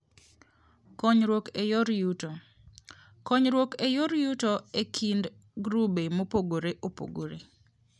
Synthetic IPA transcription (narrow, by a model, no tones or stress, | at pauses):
kɔɲɾwokejɔɾjut | kɔɲɾwokejoɾjutɔekʰind | ɡɾubemopoɡoɾeʔopo̰ɡo̰ɾḛ